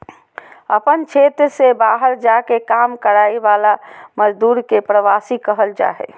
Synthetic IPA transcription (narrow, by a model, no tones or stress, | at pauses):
əpənt͡ʃʰet̪ɾsebaɦəɾd͡ʒakekamkəɾaiʋalaməd͡ʒd̪uːɾkepɾəʋasikəɦəld͡ʒa̰ɦɛḛ